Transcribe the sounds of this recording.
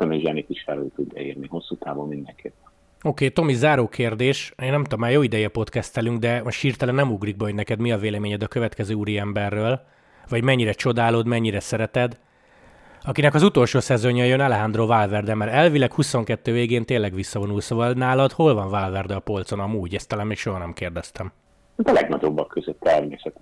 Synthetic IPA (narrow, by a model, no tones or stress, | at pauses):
t̪ɛmiʒɛnit̪iʃfɛlyːlt̪ud̪ːɛ̰ḭrniho̞sːuːt̪aːvommind̪ɛŋkʰḛːpːɛ | oːkeːt̪o̞mizaːɾoːkʰeːrd̪eːʃeːnːɛmt̪omːaːjoːid̪ɛjɛɒpo̞t̪kɛst̪ɛlyŋɡd̪ɛɒʃhiːrt̪ɛlɛnːɛmuɡriɡ̚bɛɦoɟnɛkɛd̪miɒveːlɛmeːɲɛd̪ɒkø̞vɛt̪kɛzøːuɾiɛmbɛrːøːl | vɒɟmɛɲːiɾɛt͡ʃo̞d̪aːloːd̪mɛɲːiɾɛsɛɾɛt̪ɛd̪ | ɒkinɛkɒzut̪o̞lʃoːsɛzo̞ɲɒjønɛlɛɦand̪rovaːlvɛrd̪ɛmɛɾɛlvilɛkhuso̞ŋkɛt̪ːøːveːɡeːnt̪eːnlːɛɡʋisːɒvo̞nulsovɒlnaːlɒd̪ho̞lvɒɱvaːlvɛrd̪ɛɒpo̞lt̪so̞nɒmuːɟɛst̪ɒlaːnmeːkʃo̞ɦɒnɛmkeːrd̪ɛst̪ɛm | hat̪ɒlɛɡnɒɟo̞bːɒkːøzøt̪ːɛrmeːsɛt̪